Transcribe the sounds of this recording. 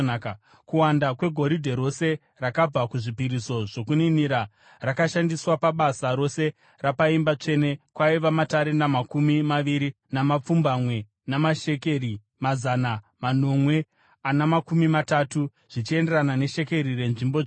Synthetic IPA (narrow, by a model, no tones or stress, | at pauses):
kuwandakwe̞ɡʱo̞ɾidʱe̞ɾo̞se̞ | rakab͡vakuʐipiɾiso̞ʐ̥o̞kuniniɾa | rakaʃandiswapaɓasaɾo̞se̞ | rapaimbat͡ʂe̞ne̞kwaiʋamataɾe̞namakumimaʋiɾi | namap͡fumbamwe̞ | namaʃe̞ke̞ri | mazana | mano̞mwe̞ | anamakumimatatu | ʐ̥it͡ʃie̞nderanane̞ʃe̞ke̞ɾire̞nʐimbo